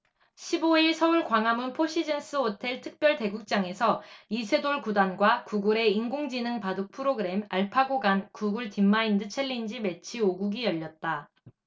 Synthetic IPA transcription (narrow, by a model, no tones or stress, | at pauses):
ɕʰiboiɭsʰʌuɭkwaŋamunpʰoɕʰid͡ʑʌns͈ʰɯotʰe̞ɭtʰɯk̚p͈jʌɭte̞ɡuk̚t͡ɕ͈aŋe̞sʰʌisʰe̞doɭkudanɡwakuɡuɾe̞iŋɡoŋd͡ʑinɯŋpadok̚pʰɯɾoɡɯɾe̞maɭpʰaɡoɡankuɡuɭtimːaindɯt͡ɕʰe̞ʎːind͡ʑime̞t͡ɕʰioɡuɡijʌʎːʌt̚t͈a